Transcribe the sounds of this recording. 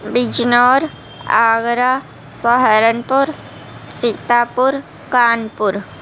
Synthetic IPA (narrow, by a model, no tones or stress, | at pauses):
bid͡ʒnɔːɾ | aːɡɾa | sɔɦəɾənpʊɾ | sit̪aːpʊɾ | kaːnpʊɾ